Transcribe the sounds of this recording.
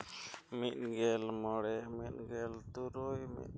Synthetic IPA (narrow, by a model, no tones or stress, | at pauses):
mit̪̚ˀɡɛlmɔɽɛmit̪̚ɡɛlt̪uɾɔjmḭt̪̚